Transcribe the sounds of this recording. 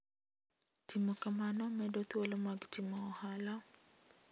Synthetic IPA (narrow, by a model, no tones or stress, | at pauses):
timɔkamanɔmɛdɔt̪wolɔmaɡtimɔːhala